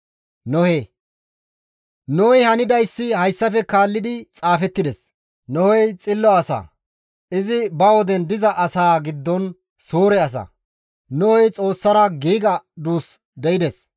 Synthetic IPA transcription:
nɔhe | nɔɔjhɐnɪd̪ɐjsːɪhɐjsːɐfɛkaːlːɪd̪ɪt͡sʼaːfɛt̪ːɪd̪ɛs | nɔhɔjt͡sʼɪlːɔɐsa̰ː | ɪzɪbɐwɔd̪ɛnd̪ɪzɐʔɐsaːɡɪd̪ːɔn | suːɾɛɐs̬ɐ̰ | nɔhɔjt͡sʼo̞ːsːɐɾɐɡiːɡɐd̪uːs | d̪ɛɪd̪ɛs

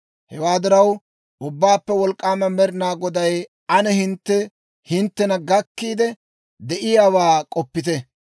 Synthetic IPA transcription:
hɛwaːd̪ɪɾɐw | ʔʊbːaːpːɛwɔlkʼːaːmɐmɛɾɪnaːɡɔd̪ɐj | ɐnɛɦɪnt̪ːɛ | hɪnt̪ːɛnɐɡɐkːiːd̪ɛ | d̪ɛʔɪjaːwaːkʼɔpːɪt̪ɛ

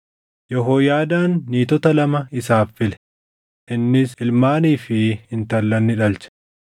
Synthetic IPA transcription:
jɔɦoːjaːd̪aːnːiːt̪ɔt̪ɐlɐmɐɪsaːfːɪlɛ̥ | ʔɪnːɪsɪlmaːniːfɪɪnt̪ɐlːɐnːɪᶑɐlt͡ʃɛ̥

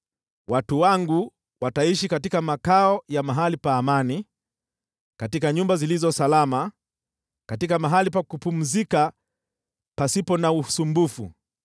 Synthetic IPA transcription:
watuwaŋɡu | wataiʃikatikamakaɔjamaɦalipaːmani | katikaɲumbazilizɔsalama | katikamaɦalipakupum̩zika | pasipɔnausumbufṵ

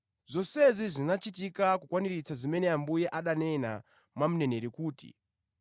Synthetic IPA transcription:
zɔsɛzizinat͡ʃitikakukwaniɾit͡sazimɛnɛambujɛʔaɗanɛna | mwamunɛneɾikuːtḭ

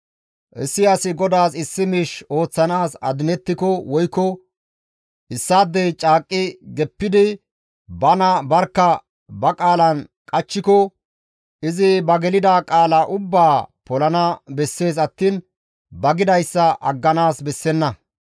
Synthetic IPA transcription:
ʔɛsːɪɐsɪɡɔd̪aːsɪsːɪmiʃo̞ːt͡sːɐnaːsɐ̰d̪ɪnɛt̪ːɪkɔwɔjkːɔ | ʔɪsːaːd̪ːɛjt͡ʃʼaːkʼːɪɡɛpːɪd̪ɪ | bɐnɐbɐɾkːɐ | bɐkʼaːlɐn | kʼɐt͡ʃːɪkɔ | ɪzɪbɐɡɛlɪd̪aːkʼaːlɐʔʊbːaːpɔlɐnɐbɛsːe̞ːs̬ɐt̪ːiːn | bɐɡɪd̪ɐjsːɐʔɐɡːɐnaːsbɛsːɛnːɐ

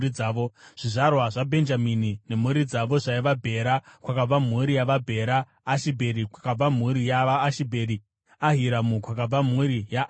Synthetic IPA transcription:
iaːʋo̞ʐ̥iʐarwaʐabʱe̞nd͡ʒaminine̞m̤uɾid͡zaʋo̞ʐaiʋabʱe̞ɾakwakab͡vamuɾijaʋabʱe̞ɾaː | ʃibʱe̞ɾikwakab͡vam̤uɾijaʋaːʃibʱe̞ɾi | aɦiɾamukwakab͡vam̤uɾijaʔ

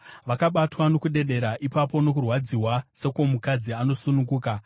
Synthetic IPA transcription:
ʋakaɓatwano̞kuɗe̞ɗe̞ɾaʔipapo̞no̞kurwad͡ziwase̞ko̞mukad͡ziano̞sunuŋɡuːka

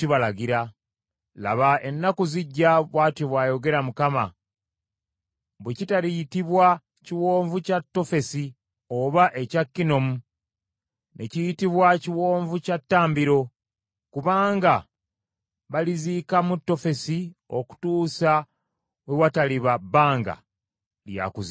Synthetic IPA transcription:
tiβalaɡiɾa | la̰βae̞nːakuziɟːaβwaːtjoβwaːjo̞ɡe̞ɾamukama̰ | βwecitalijitiβwa | ciwo̞ːɱvucatːo̞fe̞si | o̞βaʔe̞cakːino̞mu | nʔe̞cijitiβwaciwo̞ːɱvucatːaːmbiɾo̞ | kuβaːŋɡa | βaliziːkamutːo̞fe̞sio̞̰ku̥tuːsa | wewataliβabaːŋɡa̰ | lja̰kuzi

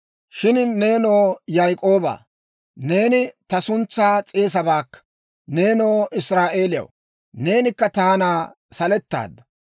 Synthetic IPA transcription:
ʃɪnne̞ːno̞ːjajkʼo̞ːba̰ː | ne̞ːnɪt̪ɐsʊnt͡sːaːt͡sʼe̞ːs̬ɐbaːkːɐ̥ | ne̞ːno̞ːʔɪsɾaːʔe̞ːlɪjɐ̰w | ne̞ːnɪkːɐt̪aːnaː | sɐlɛt̪ːa̰ːd̪ːɐ

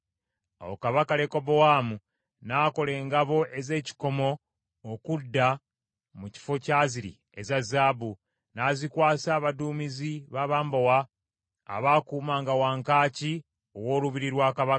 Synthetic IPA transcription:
a̰wokaβakale̞ko̞bo̞waːmu | naːko̞le̞ːŋɡaβo̞ʔe̞ze̞ːci̥ko̞mo̞ː | kudːa | muci̥fo̞caːziɾḭ | ezazaːbu | naːzikwaːsaːβaduːmiziβaːβaːmbowa̰ː | βaːkuːmaːŋɡawaːŋkaːci | owo̞ːluβiɾiɾwaːkaβaka

